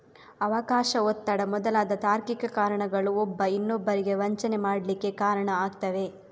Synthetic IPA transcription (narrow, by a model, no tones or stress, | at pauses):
ɐʋɐkaːʃɐot̪ːɐɽɐmɔd̪ɐlaːd̪ɐt̪aːɾkikɐkaːɾɐɳɐɡɐɭuɔbːɐinːobːɐɾiɡe̞ʋɐɲt͡ʃɐne̞maːɽɐlikːe̞kaːɾɐɳɐaːɡt̪ɐʋe̞